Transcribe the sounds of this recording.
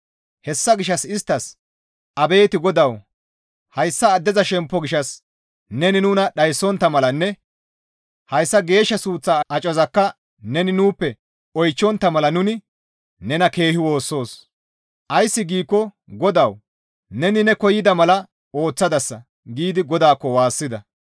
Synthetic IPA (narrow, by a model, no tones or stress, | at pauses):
hɛsːɐɡɪʃːɐsɪst̪ːɐs | ʔɐbe̞ːt̪ɪɡɔd̪ɐw | hɐjsːɐːd̪ːɛzɐʃɛmpːɔɡɪʃːɐs | nɛnɪnʊnɐɗɐjsːɔnt̪ːɐmɐlɐnːɛ | hɐjsːɐɡe̞ːʃːɐsuːt͡sːaʔɐt͡ʃʼɔzɐkːɐ | nɛnɪnuːpːɛ | ɔjt͡ʃːɔnt̪ːɐmɐlɐnʊnɪ | nɛnɐke̞ːhɪwo̞ːsːo̞ːs | ʔɐjsːɪɡiːkːɔ | ɡɔd̪ɐw | nɛnɪnɛkɔjɪd̪ɐmɐlɐ | o̞ːt͡sːɐd̪ɐsːɐ | ɡiːd̪ɪɡɔd̪aːkːɔwaːsːɪd̪ɐ